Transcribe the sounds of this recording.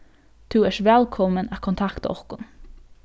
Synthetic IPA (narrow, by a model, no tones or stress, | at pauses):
t̪ʰʉːɛʃʋɛlkʰɔmənækʰɔnt̪ʰɑkt̪ɔ̰χkʊn